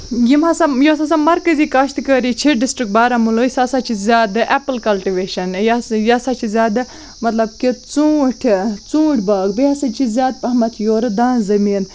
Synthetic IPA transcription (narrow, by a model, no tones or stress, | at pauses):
jimɦɐsajoːsas̬amɐɾkɐziːkɐʃt̪kəɾit͡ʃʰiɖisʈɾik̚baːɾɐmulosasat͡ʃʰizjaːd̪ɨʔɛpəlkɐlʈiʋeːʃɐnjajasat͡ʃʰizʲjaːd̪ɨ | mɐt̪lɐb̚kit͡sũːʈʰt͡sũːʈʰʲbaːɡbeɐsɐt͡ʃʰizjaːd̪̚pɐɦmɐt̪ʰjoːɾɨd̪aːnzɐmiːn